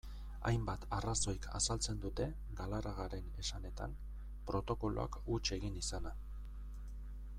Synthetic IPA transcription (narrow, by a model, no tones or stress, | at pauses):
a̰jmbat̪araso̞jkʰa̰salt͡se̞nd̪ut̪e̞ | ɡalaɾʔaɣaɾe̞ne̞sane̞t̪a̰n | pɾo̞t̪o̞ko̞loa̰kut͡ʃe̞ɣinisana